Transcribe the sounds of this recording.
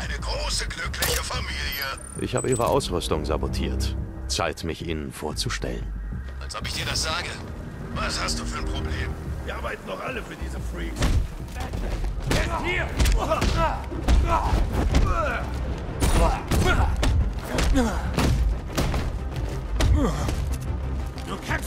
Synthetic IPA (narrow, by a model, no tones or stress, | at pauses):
ʔaɪnəɡʁoːsəɡlʏklɪçəfamiːljə | ʔɪ̰çha̰ːbəʔiːʁ̞əʔa̰ʊsʁʏstʊŋza̰botʰḭːɐt | t͡sa̰ɪtmɪçʔiːnənfoːɐt͡suʃtɛ̰lənʔalsʔɔpɪçd̥iːɐɾasz̥aːɡə | vashast̚d̥uːfyːɐnpʁ̥obleːmviːɐʔaːbaɪtn̩dɔχʔaləfyːɐdiːzəfʁiːs | i | dukʰɛn